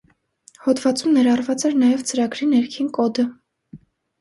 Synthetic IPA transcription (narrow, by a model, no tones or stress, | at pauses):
hɔd̪vɑt͡sumnɛɾɑrvɑt͡sɛɾnɑjɛvt͡səɾɑɡɾinɛɾkʰinkɔd̪ə